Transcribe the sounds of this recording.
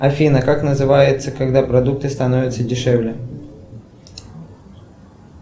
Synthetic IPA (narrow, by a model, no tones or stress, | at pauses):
ɐfʲinəkaknəzɨvajɪt̪səkɐɡd̪apɾɐd̪uk̚t̪ɨst̪ɐnovʲɪt̪sədʲɪʂɛvlʲɪ